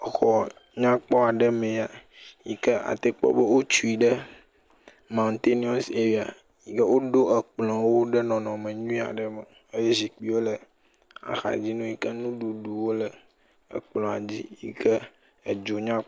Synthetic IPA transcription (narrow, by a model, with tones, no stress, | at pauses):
xɔ˨ | ɲã˦k͡pɔ˦a˨ɖə˦mẽ˨a˨ | ji˨kə˦a̰˨t̪e˦k͡pɔ̰˦bə˦wo˦t͡ʃu˦i˨ɖə˦ | mã˨nt̪e˦nĩ˦ɔ˦se˨wi˨a̰˨ | ji˨kə˦wo˦ɖo˦ə˨k͡plɔ̃˨wo˦ɖə˦nɔ̃˨nɔ̃˨mẽ˨ɲũ˦ĩ˦a̰˨ɖə˨mə˨ | e˦je˦zi˨k͡pi˦wo˦lə˨ | a̰˨xa̰˨d͡ʑi˦nũ˦ji˦kə˦nũ˦ɖu˨ɖu˨wo˦lə˨ | ə̰˨k͡plɔ̃˨a˨d͡ʑi˦jḭ˦kʰə˦ | ə˨d͡ʒo˨ɲã˦